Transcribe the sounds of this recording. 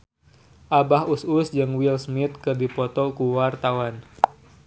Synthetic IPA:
ʔabahususd͡ʒɨŋwilsmɪt̪̚kɨrdipɔt̪ɔkuwart̪awan

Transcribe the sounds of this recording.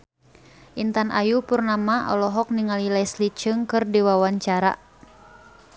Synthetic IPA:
ʔint̪anʔajupurnamaʔɔ̰lɔɦɔk̚niŋalilaslit͡ʃɨŋkɨrdiwawaɲt͡ʃaɾa̰

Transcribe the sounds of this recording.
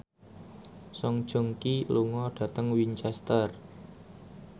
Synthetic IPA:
sɔŋd̥ʒ̥o̤ŋkiluŋɔɖ̥ä̤t̪əŋwiɲt͡ʃɛst̪ər

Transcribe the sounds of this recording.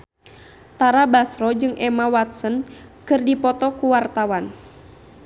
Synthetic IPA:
t̪aɾabasɾɔd͡ʒɨŋʔɛmawat̪̚sənkɨrdipɔt̪ɔkuwart̪awan

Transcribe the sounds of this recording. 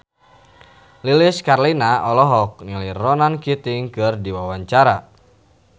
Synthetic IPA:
liliskarlinaʔɔlɔɦɔk̚niliɾɔnankit̪ɪŋkɨrdiwawaɲt͡ʃaɾa

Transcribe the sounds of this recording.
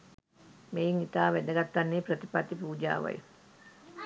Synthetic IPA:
meːiŋit̪aːʋæd̪əɡat̪ːanːeːpɾət̪i̥pat̪ipuːd͡ʒa̰ːʋa̰j̰

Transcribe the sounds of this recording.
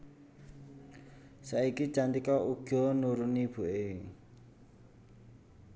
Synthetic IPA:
saikit͡ʃant̪ikɔʔuɡ̥ɔ̤nuɾunib̥ṳʔe

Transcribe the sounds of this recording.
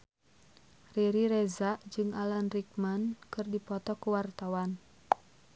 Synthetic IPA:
riɾiɾɛzaʔd͡ʒɨŋalanrik̚mankɨrdipɔt̪ɔkuwart̪awan

